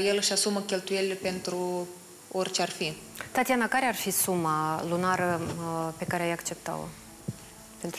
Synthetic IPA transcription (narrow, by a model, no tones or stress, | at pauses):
jelɨʃasuməkʲe̞lt̪ujelilepe̞nt̪ɾu | orʲt͡ʃearfi | t̪at̪ianakaɾearfisumalunaɾəpe̞kaɾeajakt͡ʃe̞p̚t̪a̰wo̰ | pe̞nt̪